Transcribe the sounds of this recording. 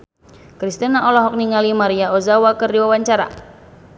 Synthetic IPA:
kɾist̪inaʔɔlɔɦɔk̚niŋalimaɾiaozawakərdiwawaɲt͡ʃaɾa̰

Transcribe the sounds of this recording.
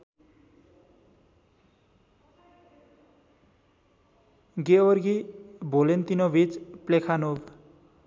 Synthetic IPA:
ɡeorɡibʱolent̪inobʱit͡splekʰanub

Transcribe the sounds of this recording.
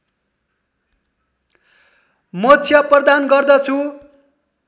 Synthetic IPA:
mʌtt͡sʰjʌprʌd̪anɡʌrd̪ʌt͡sʰu

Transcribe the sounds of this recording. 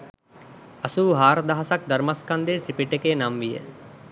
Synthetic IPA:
ɐsuːɦaːɾɐd̪aɦɐsɐk̚d̪ɐɾmɐskɐnd̪iɾʈ̪ɾipiʈekenamʋijḛl

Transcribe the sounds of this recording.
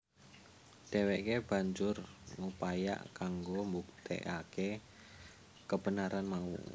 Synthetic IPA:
d̥ɛweʔkeb̥a̤ɲd͡ʒʊrŋupaja̰ʔkaŋɡombuk̚t̪ʰḛʔake | kəb̥ənaɾʔanmaṵ

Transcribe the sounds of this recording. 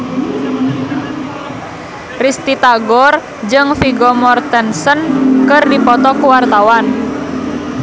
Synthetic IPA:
rist̪it̪aɡɔr | d͡ʒɨŋfiɡɔmɔrt̪ənsənkərdipɔt̪ɔkuwart̪awan

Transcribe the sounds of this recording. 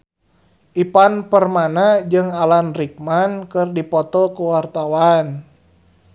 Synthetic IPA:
ʔipanpərmanad͡ʒɨŋalanrik̚mankɨrdipɔt̪ɔkuwart̪awan

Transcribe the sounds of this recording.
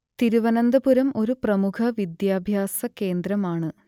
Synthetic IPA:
t̪iɾuʋɐnɐnd̪ɐbuɾɐmo̞ɾuprɐmukʰɐʋid̪jaːbʱjaːsɐke̞ːnd̪ɾɐmaːɳɨ

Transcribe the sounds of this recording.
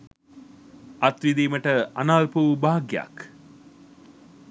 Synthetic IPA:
ɐt̪ʋid̪iːməʈəanaːlpubaːɡja̰k

